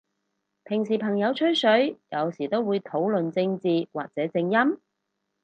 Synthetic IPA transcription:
pʰɪ˨˩ŋsiː˨˩pʰɐ˨˩ŋjɐ˨˧wt͡ʃʰɵ˥ɥsɵ˨˥ɥjɐ˨˧wsiː˨˩t̪o˥wuː˨˧jt̪ʰo˨˥wlɵ˨nt͡sɪ˧ŋt͡siː˨wa̰ː˨k̚t͡sɛː˨˥t͡sɪ˧ŋjɐ˥m

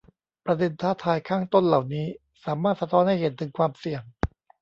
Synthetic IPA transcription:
pɾa˧de˧nt̪ʰaː˥˩t̪ʰaː˧jkʰaː˥˩ŋt̪o˥˩nla˨˩wniː˦˥ | saː˩˦maː˥˩t̪̚sa˧t̪ʰɔː˦˥nha˥˩jhe˩˦nt̪ʰɯ˩˦ŋkʰwaː˧msi˨˩əŋ

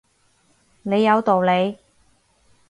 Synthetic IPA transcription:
ne˨˧jːɐ˨˧wt̪o˨wle˨˧j

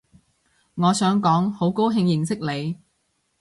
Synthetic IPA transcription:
ŋɔː˨˧sœː˨˥ŋkɔː˨˥ŋho˨˥wko˥wɦɪ˧ŋjɪ˨˩ŋsɪ˥k̚le˨˧j

